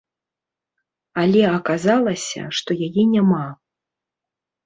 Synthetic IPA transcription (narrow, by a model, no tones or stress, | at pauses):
alʲɛɐkazalˠɐsʲɐ̰ʂt̪ɔjajɛnʲama